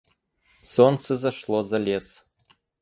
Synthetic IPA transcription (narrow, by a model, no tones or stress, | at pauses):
sonsɨzɐʃlˠozɐlʲes